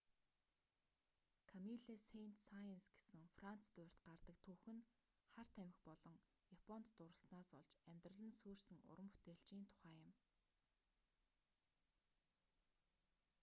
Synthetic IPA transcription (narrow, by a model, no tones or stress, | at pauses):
kʰamiɮesejn̥t̪sajensɡe̥sɘ̆ŋfran̥t͡st̪ʊ̟r̥ʲt̪ɢart̪ə̆k̚t̪ʰuxɘ̆n | χar̥t̪ʰæmɪ̆xpɔɮɞ̆ŋ | japʰɔn̥t̪ːʊɾə̆ɮsnaːsɔɮt͡ɕæmʲt̪rə̆ɮə̆nsuːrsɘ̆ŋʊ̰ɾə̆mpu̥t̪eːɬt͡ɕiːnt̪ʰʊ̥χæːjə̆m